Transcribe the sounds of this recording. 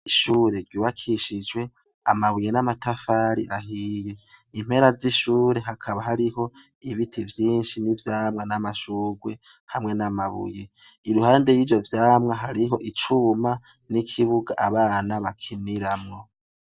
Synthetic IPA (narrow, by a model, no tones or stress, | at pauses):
iʃuːɾe̞ɡɡuwakʰiʃid͡ʒwe̞ | a̰maβujenamatafaːɾḭʔaɦiːjeim̥he̞ɾaziʃuːɾe̞ɦakʰaβaɦaɾiɦo̞ | iβitʰivjiːnʃinivjaːmŋanamaʃuɡwe̞ | hamŋe̞namaβṵje | iɾuhaːnde̞jiːvjo̞vjaːmŋaɦaɾiɦo̞ʔit͡ʃuma | nikʰiβuɡa̰ʔaβaːnaβakʰiniɾamŋo̞